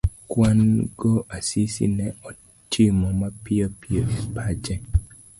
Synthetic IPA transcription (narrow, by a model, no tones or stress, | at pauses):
kwanɡɔʔasisḭnɛɔ | t͡ʃimɔmapɪɔpiɔepʰad͡ʒɛ